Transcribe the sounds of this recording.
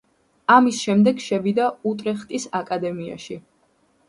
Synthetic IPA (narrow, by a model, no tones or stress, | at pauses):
amisʃɛmd̪ɛɡʃɛvid̪aut̪ʼɾɛχt̪ʼisakʼad̪ɛmia̰ʃi